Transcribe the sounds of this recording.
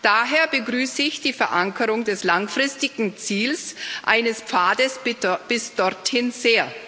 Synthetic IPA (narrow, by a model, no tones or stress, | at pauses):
d̥aːɦeːɐbəɡʁyːsəɪçd̥iːfɛɐʔaŋkʰəʁʊŋdɛslaŋfʁ̥ɪstɪɡŋ̩t͡siːlsʔa̰ɪnəsp͡faːdəsb̥ɪsd̥ɔɐthɪnzeːɐ